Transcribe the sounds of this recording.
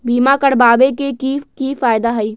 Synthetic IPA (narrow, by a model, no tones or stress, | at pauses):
biːmakəɽbaːbekekikiːfaːjd̪aɦɐiː